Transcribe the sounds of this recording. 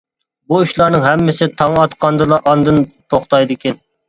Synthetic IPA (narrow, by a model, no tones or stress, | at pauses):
buyʃlˠɑɾnɨŋɦɛmːɪsɪt̪ʰɑŋɑt̪qʰɑnd̪ɨlˠɑʔɑnd̪ɨnt̪ʰoχt̪ɑjd̪ɪkʲʰɛn